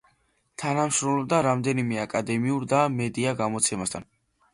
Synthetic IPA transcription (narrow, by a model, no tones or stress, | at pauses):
t̪ʰanamʃɾɔmlɔb̚d̪aɾamd̪ɛnimɛakʼad̪ɛmiuɾd̪amɛd̪iaɡamɔt̪sʰɛmast̪ʰan